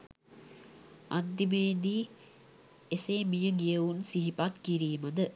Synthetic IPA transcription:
a̰nd̪imeːd̪iː | eseːmijəɡijəunsiɦipat̪kiɾiːməd̪ə

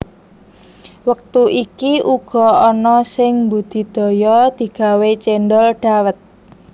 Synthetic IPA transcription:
wək̚t̪uʔikiʔuɡ̥ɔ̤ɔnɔsɪŋmbud̪̥i̤d̪̥ɔ̤jɔd̪̥i̤ɡ̥a̤wet͡ʃɛnɖɔlɖ̥a̤wət̪̚

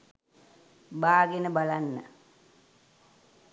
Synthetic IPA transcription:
baːɡenəbalanːə̰

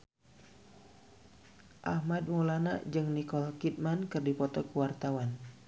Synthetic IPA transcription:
ʔahmad̚molana̰ʔd͡ʒɨŋnikɔlkit̪̚mankɨrdipɔt̪ɔkəwart̪awan

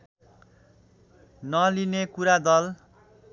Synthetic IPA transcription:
nʌlinekuɾad̪ʌl

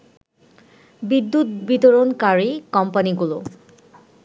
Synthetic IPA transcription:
bid̪ːut̪̚bit̪oɾonkaɹikɔmpaniɡulo

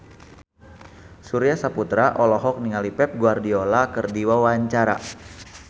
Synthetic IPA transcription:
suɾiasaput̪ɾaʔɔlɔɦɔk̚niŋalipɛp̚ɡuardiolakərdiwawaɲt͡ʃaɾa̰

